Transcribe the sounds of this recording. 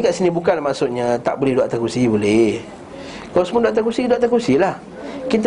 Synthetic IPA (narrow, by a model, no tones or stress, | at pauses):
kaʔsinibukanlahmasʊʔɲat̪a̰ʔbolɛhduaʔt̪akusibolɛh | kalasəmoduaʔt̪akusiduaʔt̪akusilah | kit̪